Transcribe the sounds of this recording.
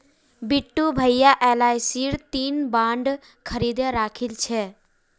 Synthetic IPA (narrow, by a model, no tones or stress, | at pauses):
biʈːubʱəjjaʔɛːlaːjsiːɾt̪iːnbãːɳɖ | kʰəɾiːd̪əɾaːkʰilt͡ʃʰe